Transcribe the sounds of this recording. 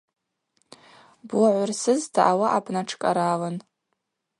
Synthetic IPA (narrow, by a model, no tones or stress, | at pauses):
bwaʕʷarsɨztʰaʔawaʔabnaʈ͡ʂʰkʼaɾalan